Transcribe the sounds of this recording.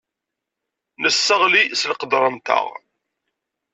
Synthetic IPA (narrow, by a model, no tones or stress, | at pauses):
nəsːəʁlislqəd̪ɾˤənt̪ə̰ʁ